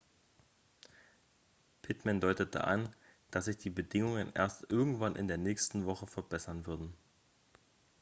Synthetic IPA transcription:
pʰɪtmandɔʏtətʰə̰ʔa̰nd̥asz̥ɪçd̥iːbədɪŋʊŋənʔḛːɐstʔɪɐɡŋ̩tv̥anʔɪ̰ndeːɐnɛːçstn̩vɔχəfɛɐbɛsɐnvʏɐdn̩

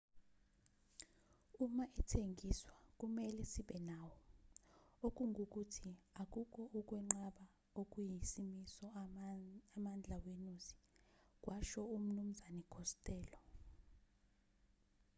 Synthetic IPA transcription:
umaʔɛtʰeŋiswak̬ʼumɛlɛsiɓɛnawɔ | ok̬ʼuŋʱok̬utʰiak̬ʼuk̬ʼɔʔuk̬ʼwɛŋ͡ǀaɓa | ok̬ʼujisimisɔ | amand͡ɮʱawenusi̥k̬ʼwʔaʃɔum̩num̩zanɛkʰɔstʼɛːlɔ

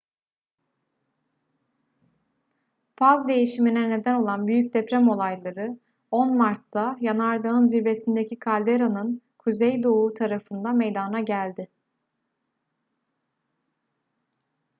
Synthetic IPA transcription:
fazd̪e̞jiʃiminɛne̞d̪æno̞lˠanbyjyc̚d̪epɾɛmo̞lˠajlˠaɾɯ | o̞nmaɾt̪ʰːajanaɾd̪aɯnziɾve̞sind̪ecʰikʰalʲd̪eɾanɯn | kʰuzejd̪o̞uːt̪ʰaɾafɯnd̪ame̞jd̪anaɟælʲd̪ɪ

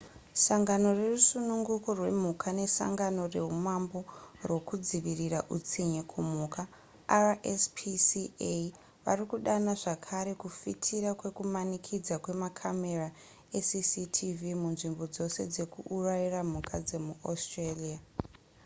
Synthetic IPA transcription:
saŋɡano̞re̞rusunuŋɡukorwe̞̰m̤ukʰane̞sa̰ŋɡano̞re̞ɦumambo̞rwo̞kud͡ziʋiriraʔut͡siɲikʰumuːka | araʔespʰisie | ʋa̰rikuɗanaʐakʰaɾe̞kufitʰiɾakwe̞kumanikʰid͡zakwe̞makʰame̞ra | esisitʰivimunʐimbo̞d͡zo̞se̞d͡ze̞kuurairam̤ukʰad͡ze̞muʔostrelia

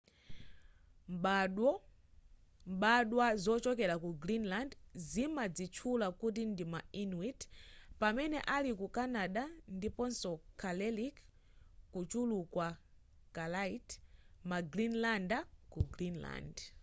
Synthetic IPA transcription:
mɓɗɔ | mɓaɗwazɔt͡ʃɔkɛɾakuɡɾinlandzimad͡zit͡ʃʰulakut̬indimainwitpamɛnɛ̰ʔalikukanaɗandipɔnsɔkʰalɛlik | kut͡ʃulukwa | kalaitmaɡɾinlandakuɡɾinla̰nd

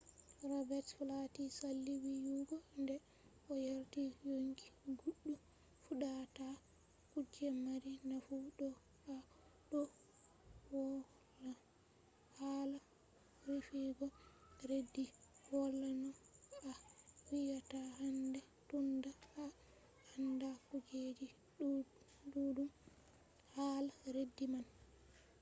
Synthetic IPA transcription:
rɔbɛtflatisalːiwijuɡɔndɛ | ɔjaɾtijoŋkiɡuɗːu | fuɗata | kud͡ʒɛmaɾinafuɗɔ | a | ɗɔ | wɔ | la | hala | wifiɡɔɾedːiwɔlanɔawijatahandɛtundaa | andakuɡed͡ʒi | dudum | haːlaɾedːiman

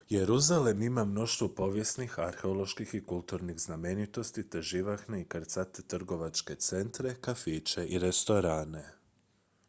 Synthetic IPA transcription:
jeɾuzalemimamno̞ʃt̪ʋopo̞ʋje̞snixaɾxeolˠo̞ʃkixikulˠt̪uːɾniɣzname̞nit̪o̞st̪it̪eʒiʋaxne̞ikəɾt̪sat̪et̪r̩ɡo̞ʋat͡ʃke̞t̪se̞nt̪ɾe̞kafiːt͡ʃe̞ʔiɾe̞st̪o̞ɾaːne̞

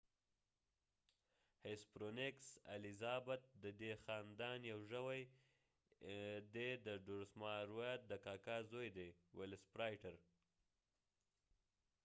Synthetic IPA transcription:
hespɾoneksa̰lizɑbat̪̚d̪əd̪exɑːnd̪ɑnjawʒəwaj | d̪ed̪əɖuɾsmɑɾwat̪̚d̪əkɑːkɑzojd̪ewelɪspɾajʈaɾ

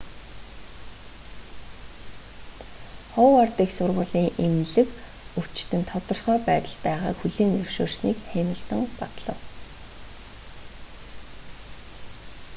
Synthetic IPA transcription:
χɔwart̪iːksʊrʁʊːɮiːŋʔemɮɘ̆k | ɵw̥t͡ɕt̪ɘ̆nt̪ʰɔt̪ɞ̆rχœːpæːt̪ə̆ɮpæːʁaːkxuɮiːŋɵwʃo̰ːrsniːkχemə̆ɮt̪ə̆ŋpat̪ɮə̆w

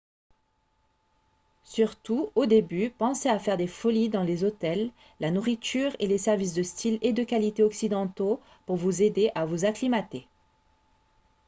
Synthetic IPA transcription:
syʁt̪uod̪ebypɑ̃seafɛʁd̪efɔlid̪ɑ̃lezot̪ɛlː | anuʁit̪yʁelesɛʁvis̬d̪əst̪ʰiled̪əkalit̪eɔksid̪ɑ̃t̪o | puʁvuzed̪eʔavuzaklimat̪e

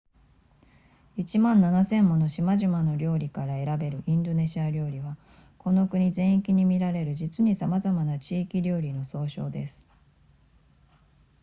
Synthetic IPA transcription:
it͡ɕimãnːanasẽ̞mːo̞no̞ɕimaʑimano̞ɾʲo̞ːɾʲikaɾae̞ɾabe̞ɾɯ̟ʔĩnd̪o̞ne̞ɕiaɾʲo̞ːɾʲiβa | ko̞no̞kɯ̟ɲ̟izẽ̞ɰ̃ikʲiɲ̟imʲiɾaɾe̞ɾɯ̟d͡ʑit͡sɨɲ̟isamazamanat͡ɕiːkʲiɾʲo̞ːɾʲino̞so̞ːɕo̞ːd̪e̞sɨ̥

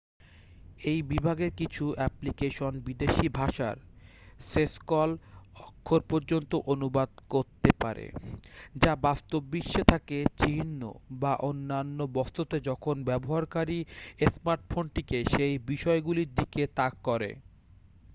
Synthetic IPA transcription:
ejbibʱaɡeɾkit͡ɕʰuɛplikeʃonbid̪eʃibʱaʃa̰ɾ | seskɔlɔkʰːoɾpɔɾd͡ʑont̪oʔonubad̪koɾt̪epaɾḛd͡ʑabast̪obːiʃːet̪ʰaket͡ɕinːo̰baʔonːanːobɔst̪ʰot̪ed͡ʑɔkʰonbɛboɦaɾkaɾiesmaɾʈ̚fʰonʈikeʃejbiʃɔeɡuliɾd̪iket̪akːɔɾḛ

